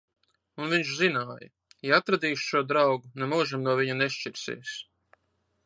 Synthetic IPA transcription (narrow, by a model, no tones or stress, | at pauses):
unviɲt͡ʃzinaːjɐ | iat̪ɾad̪iːʃʃuɔd̪ɾawɡunemuːʒimnuɔviɲuneʃt͡ʃiɾsḭːs